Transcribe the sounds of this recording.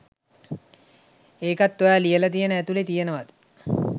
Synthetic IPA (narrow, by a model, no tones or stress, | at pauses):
eːkat̪ːoʋæːlijəlat̪ijənəæt̪ulet̪ijenəʋad̪ə